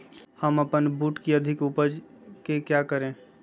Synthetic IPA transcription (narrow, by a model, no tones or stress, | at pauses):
həməpənbuːʈkiəd̪ʱɪkupəd͡ʒkekjakəɾẽ